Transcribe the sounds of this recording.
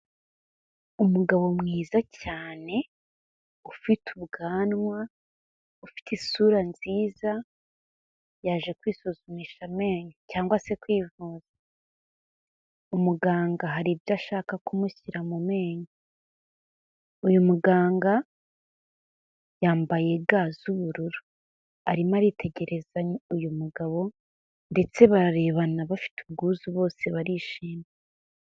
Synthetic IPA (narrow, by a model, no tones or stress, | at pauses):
umuɡaβo̞mŋiːzacaːne̞ | ufitʰuβɡaːnŋwa | ufi̥tisuɾanziːza | jaːʒe̞kwiːsuzumiːʃame̞ːɲocaːŋɡwase̞kwiːvuːz̥ḁ | umuɡaːŋɡaɦaɾibjaʃaːkakumuçiɾamume̞ːɲa | ujumuɡaːŋɡa | jaːmbaje̞ɡazuβuɾuɾu | aɾimaɾitʰe̞ɟe̞ɾe̞zaɲujumuɡaβo̞ | nde̞t͡se̞βaɾaɾe̞βanaβafi̥tubɡuːzuβo̞ːse̞βaɾiʃiːme